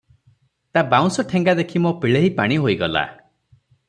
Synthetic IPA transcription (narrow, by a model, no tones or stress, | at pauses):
t̪abaw̃sɔʈʰeŋɡad̪ekʰimopiɭeɦipaɽ̃iɦoiɡɔla̰